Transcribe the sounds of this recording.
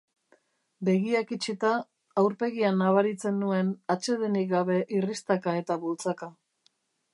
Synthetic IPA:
be̞ɣiakit͡ʃit̪aː | wɾpe̞ɣianaβaɾit͡se̞nːue̞nat͡ʃe̞ðenik̚ɡaβe̞ʔirist̪akae̞t̪aβult͡saka

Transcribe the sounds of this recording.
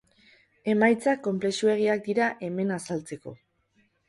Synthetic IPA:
e̞majt͡sakːo̞mple̞sue̞ɣ̞iak̚d̪iɾaʔe̞me̞nasalt͡se̞ko̞̰

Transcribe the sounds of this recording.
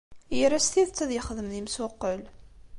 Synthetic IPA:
jəɾæst̪iðt͡sːæðjəχəðəmðimsʊqːəl

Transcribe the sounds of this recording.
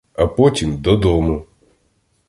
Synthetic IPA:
apɔtʲimd̪ɔd̪ɔmʊ

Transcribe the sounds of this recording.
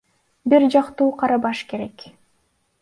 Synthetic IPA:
biɾd͡ʒɑqt̪uːqʰɑɾɑβɑʃke̞ɾe̞k

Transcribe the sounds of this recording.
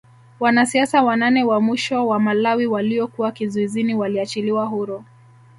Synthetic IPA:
wanasiasawananɛwamwiʃɔwamalawiwaliɔkuwakizuiziniwaliat͡ʃiliwaɦuɾɔ

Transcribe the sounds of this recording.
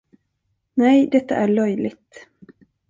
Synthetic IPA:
nɛjd̪ɛt̪ːaʔæɭœjlɪɡ̚t̪

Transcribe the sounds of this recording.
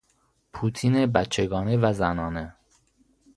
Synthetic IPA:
pʰuːt̪ʰinebæt̪t͡ʃʰeɡɒːnevæzænɒːne

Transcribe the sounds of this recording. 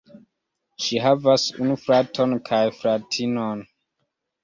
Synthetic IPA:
ʃiɦavasṵnufɹatʰonkʰajfɾatʰinon

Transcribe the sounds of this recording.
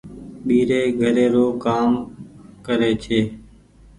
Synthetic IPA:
ɓiːɾeːɡʱəɾeːɾoːkaːmkəɾeːt͡ʃʰeː

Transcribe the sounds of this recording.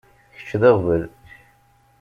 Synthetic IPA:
çə̥t͡ʃːðeʁvəl

